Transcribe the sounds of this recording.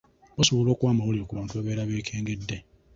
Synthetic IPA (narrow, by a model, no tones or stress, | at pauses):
osoβulo̞ːkwaːmawoliokuβaːntuaβe̞ːɾaβeːkʰeːŋɡedːe